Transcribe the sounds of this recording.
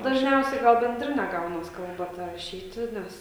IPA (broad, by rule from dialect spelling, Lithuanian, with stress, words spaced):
dɐʒʲˈnʲɛʊsʲɛɪ ˈɡɐlˠ bʲɛnʲˈdʲrʲɪnʲɛ ˈɡɐʊnɐs ˈkɐlˠbɐ ˈtɐ rɐˈʃʲiːtʲɪ ˈnʲɛs